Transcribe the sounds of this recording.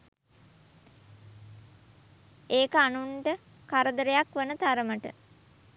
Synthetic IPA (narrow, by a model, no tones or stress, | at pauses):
eːkəanuɳʈə | kaɾəd̪əɾejakʋənət̪aɾəməʈə̰